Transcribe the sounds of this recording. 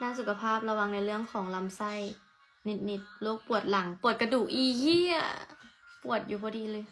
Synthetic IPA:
naː˧˥˨su˨˩kʰa˧pʰaː˥˩p̚la˧wa˧ŋna˧˩jlɯ˥˩əŋkʰɔː˨˦ŋla˧msa˧˥˨j | ni˧˩t̪̚ni˧˩t̪̚loː˧˥˦k̚pu˨˩ət̪̚la˩˦ŋpu˨˩ə˩t̪̚ka˧duː˨˩k̚ʔiː˧hiː˧˥˨a̰˧˩pu˨˩ət̪̚juː˨˩bʰɔː˧˦diː˧lɤː˧j

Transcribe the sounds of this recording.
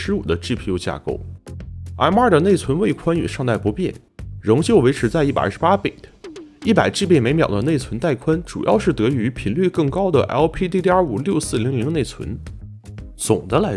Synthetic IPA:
ɻ̩˧˥ṵ˨˩d̪ə˦ʈ͡ʂi˥˩pʰi˧˥u˥˧t͡ɕja̰˥˧ko˥˩ʊ | a̰˧˥ɪma˞˥˩d̪ə˩ne˥˩ɪt͡sʰwə˧˥nwe˥˩ɪkʰwa˥ny˨˩ʂɑ˥˧ŋt̪a˥˩ɪpu˧˥pjɛ̰˥˩n | ɻʊ˧˥ŋt͡ɕjo˥˩ʊwe˧˥ɪʈ͡ʂʰɻ̩˧˥t͡sa˥˧ɪi˥˩pa̰˨˩˥ʂ̩˥˧˥pa˥pi˨˩ɪi˥˩pa˨˩ɪʈ͡ʂi˥˧˩pe˥˩ɪme˧˥ɪmjɑ˨˩ʊd̪ə˦ne˥˩ɪt͡sʰwə˧˥nt̪a˥˩ɪkʰwa˥nʈ͡ʂṵ˨˩jɑ˥˧ʊʂɻ̩˥˩t̪ɤ˧˥y˧˥pʰi˧˥nly˥˧kɤ˥˩ŋkɑ˥ʊd̪ə̰˨ʔɛ̰˧˥lpʰi˥t̪̬i˥˧i˥a˞˥˩u˨˩ljo˥˧ʊsɹ̩˥˩li˧˥ŋli˧˥ŋne˥˩ɪt͡sʰwə̰˧˥n | t͡sʊ˨˩ŋd̪ə˦la˧˥

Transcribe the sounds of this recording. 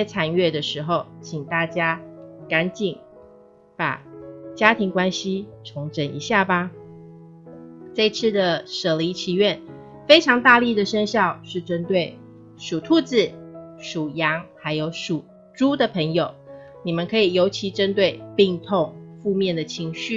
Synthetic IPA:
ɛ˥t͡sʰa˨˩nɥɛ˥˩d̪ə˩ʂɻ̩˧˥˦xo˥˧ʊt͡ɕʰi˨˩ŋt̪a˥˩t͡ɕja˥ka˧˥nt͡ɕi˨˩n | pa̰˨˩t͡ɕja˥t̪ʰi˧˥ŋkwa˥nɕi˥˦ʈ͡ʂʰʊ˧˥ŋʈ͡ʂə˨˩nḭ˧˥ɕja˥˩ba˨ | ʈ͡ʂɤ˥˧i˧t͡sʰɹ̩˥˩d̪ə˩ʂɤ˨˩li˧˥t͡ɕʰi˧˥ɥɛ˥˩n | fe˥ɪʈ͡ʂʰɑ˧˥ŋt̪a˥˧li˥˩d̪ə˩ʂə˥nɕjɑ˥˧ʊʂɻ̩˥˩ʈ͡ʂə˥nt̪we˥˩ɪ | ʂu˨˩t̪ʰu˥˧t͡sɹ̩˨˩ʂu˨˩jɑ˧˥ŋxa˧˥ɪjo˧˥ʊʂu˨˩ | ʈ͡ʂu˥d̪ə˨pʰə˧˥ŋjo˨˩ʊ | ni˨˩mə˨nkʰɤ˧˥i˨˩jo˧˥ʊt͡ɕʰi˧˥ʈ͡ʂə˥nt̪we˥˩ɪpi˥˧ŋt̪ʰo˥˧ŋfu˥˧mjɛ˥˩nd̪ə˩t͡ɕʰi˧˥ŋɕy˥˨

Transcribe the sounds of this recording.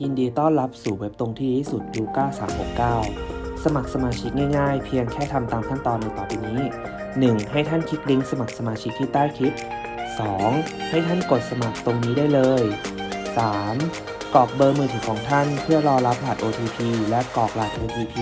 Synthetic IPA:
ji˧ndiː˧t̪ɔː˥˩nɾa˦˥p̚suː˩we˦˥p̚t̪o˧ŋt̪ʰiː˥˩t̪ʰiː˥˩su˨˩t̪̚juː˧˩kaː˥˩wsaː˩˦mho˨˩kkaː˥˩wsa˧ma˨˩k̚sa˧maː˧t͡ɕʰi˦˥k̚ŋaː˥˩jŋaː˥˩jpʰi˧əŋkʰɛː˥˩t̪ʰa˧mt̪aː˧mkʰa˥˩nt̪ɔː˧nːa˧t̪ɔː˨˩piː˧niː˦˥ | nɯ˨˩ŋha˥˩jt̪ʰa˥˩nkʰi˦˥k̚li˦˥ŋsa˧ma˨˩k̚sa˧maː˧t͡ɕʰi˦˥k̚jiː˥˩t̪aː˥˩jt̪ʰi˦˥p̚ | sɔː˩˦ŋha˥˩jt̪ʰa˥˩nko˨˩t̪̚sa˧ma˨˩k̚t̪o˧ŋniː˦˥daː˥˩jlɤː˧jsaː˩˦m | kɔː˨˩k̚bɤː˧mɯː˧t̪ʰi˩˦kʰɔː˩˦ŋt̪ʰa˥˩npʰɯ˥˩ɐlɔː˧la˦˥p̚laː˨˩t̪̚ʔoː˧t̪ʰiː˧pʰiː˧lɛ˦˥ʔkɔː˨˩k̚laː˨˩t̪̚ʔoː˧t̪ʰiː˧pʰiː˧

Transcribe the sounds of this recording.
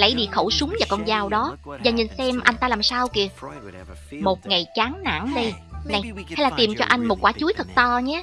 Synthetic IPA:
lə̰˧˥˩jɗḭ˧˨xo˧˩wsʊ˨˦ŋ͡mvaː˨˩kɔ˧nzaː˨˩wɗɔ˨˦vaː˨˩ɲɨ˨˩nsɛ˧mʔa˧jŋ̟t̪aː˧laː˨˩msaː˧wki˧˩ə | mo˨˩t̚ŋa˨˩jt͡ɕaː˨˦ŋna̰˧˩˥nɗə˧jna˨˩jha˧jlaː˨˩t̪i˨˩mt͡ɕɔ˧ʔa˧jŋ̟mo˨˩t̚kwaː˧˩t͡ɕu˨˦jt̪ʰə˨˩k̚t̪ɔ˧ɲɛ˨˦

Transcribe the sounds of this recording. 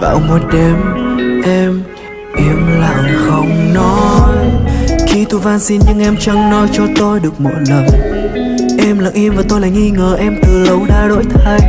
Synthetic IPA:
va̰ː˧˩wmo˨˩t̚ɗɛ˨˧˦mʔɛ˧m | ʔi˨˦əmla̰ː˧˨wxə˧wŋ͡mnɔ˨˦jxi˧t̪u˧vaː˧nsi˧nɲɨ˧ŋʔɛ˧mt͡ɕa˧ŋnɔ˨˦jt͡ɕɔ˧t̪o˧jɗɨ˨˩ək̚mɔ̰˧˨jnə˨˩ŋ | ʔɛ˧mla̰˧˨ŋʔi˧mvaː˨˩t̪o˧jla̰ː˧˨jŋi˧ŋəː˨˩ʔɛ˧mt̪ɨ˨˩lə˨˦wɗaː˧ɗo̰˧˥jt̪ʰaː˧j

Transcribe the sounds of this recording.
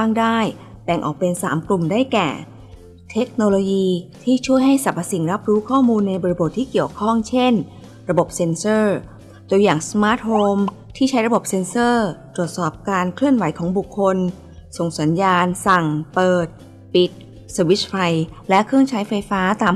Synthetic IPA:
aː˥˩ŋdaː˥˩j | bɛ˨˩ŋʔɔ̰ː˨˩k̚pe˧nsa̰ː˩˦mklu˨˩mdaː˥˩jkɛ̰ː˨˩ | t̪ʰe˦˥k̚noː˧loː˧jiː˧t̪ʰiː˥˩t͡ɕʰu˥˩əjɦa˥˩jsa˨˩pʰːa˧si˨˩ŋɾa˦˥p̚ɾuː˦˥kʰɔː˥˩muː˧nːa˧jbɔː˧ɾi˧bo˨˩t̪ʰːiː˥˩ki˨˩əwkʰɔ˥˩ŋt͡ɕʰe˥˩n | ɾa˧bo˨˩p̚se˧nsɤː˥˩ | t̪u˧əjaː˨˩ŋsmaː˦˥t̪̚hoː˧m | t̪ʰiː˥˩a˦˥jɾa˧bo˨˩p̚se˧nsɤː˥˩t̪ɾu˨˩ət̪̚sɔː˨˩p̚kaː˧nkʰlɯ˥˩ənwa˨˦jkʰɔː˩˦ŋbu˨˩kʰːo˧n | so˨˩ŋsa˩˦njaː˧nsa˨˩ŋpɤː˨˩t̪̚ | pi˨˩t̪̚ | səː˧wi˦˥s̚fa˧jlɛ˦˥kʰɯ˥˩əŋt͡ɕʰa˦˥jfa˧jfaː˦˥t̪aː˧m

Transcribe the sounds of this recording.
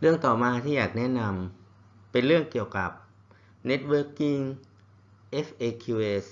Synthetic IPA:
ɾɯ˥˩əŋt̪ɔː˨˩maː˧t̪ʰiː˥˩jaː˨˩k̚nɛ˦˥na˧m | pe˧nɾɯ˥˩əŋki˨˩əwka˨˩p̚ | ne˦˥t̪̚wɤː˧˥kːi˧˩ŋ | ʔe˦˥fʔeː˧kʰuː˧eː˧s

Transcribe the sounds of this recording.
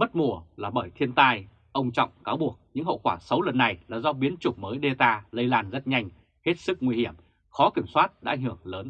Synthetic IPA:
mə˦˥t̚mu˧˩əlaː˨˩ɓəː˧˩jt̪ʰi˧ənt̪aː˧j | ʔə˧wŋ͡mt͡ɕɔ̰˧˨wŋ͡mkaː˨˦wɓu˨˩ək̚ɲɨ̰˧˥ŋhə̰˧˨wkwaː˧˩sə˨˦wlə˨˩nːa˨˩jlaː˨˩zɔ˧ɓi˨˦ənt͡ɕʊ˨˩ŋ͡mməː˨˦jɗe˧t̪aː˧lə˧jlaː˧nzə˦˥t̚ɲa˧jŋ̟ | he˦˥t̚sɨ˦˥k̚ŋwi˧hi˧˩əm | xɔ˨˦ki˧˩əmswaː˦˥t̚ɗa̰˧˥˧jŋhɨ˧˩əŋləː˨˦n

